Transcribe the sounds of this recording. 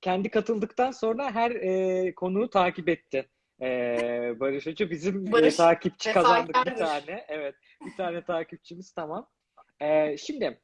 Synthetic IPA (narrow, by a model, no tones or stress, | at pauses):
cʰɛnd̪ikʰat̪ʰɯlˠd̪ɯkt̪ʰanso̞nɾaɦæɾɛːkʰo̞nuːt̪ʰaːcipɛt̪ʰːɪ | ɛːbaɾɯʃad͡ʒɯbizimɛt̪ʰaːcʰip̚t͡ʃʰi̥kazand̪ɯkbit̪ʰaːnɛʔɛvɛt̪̚ | bit̪ʰaːnɛt̪ʰaːcip̚t͡ʃʰimiz̥t̪ʰamam | ɛʃimd̪ɪ